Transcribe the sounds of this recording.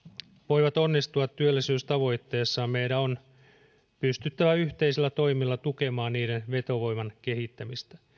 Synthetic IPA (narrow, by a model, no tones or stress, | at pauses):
ʋo̞jʋɑt̪o̞nːist̪uɑt̪tːyølːisyːst̪ɑʋo̞jt̪ːe̞ːsːɑmejdæon | pyst̪yt̪ːæʋæyht̪e̞isilːæt̪o̞jmilːɑt̪uke̞mɑːnniːdenʋe̞t̪o̞ʋo̞jmɑnke̞hit̪ːæmist̪æ̥